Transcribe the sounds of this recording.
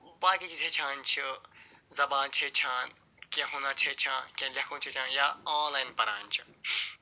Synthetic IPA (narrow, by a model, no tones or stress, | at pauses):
baːkiːt͡ʃʰit͡ʃʰet͡ʃʰãːnt͡ʃʰi | zɐbaːnt͡ʃʰet͡ʃʰaːn | kẽɦõːnat͡ʃʰet͡ʃʰãːnkẽlɐkʰõːt͡ʃʰit͡ʃʰãːnjaːaːnlaːjinpɐɾaːnt͡ʃʰi̥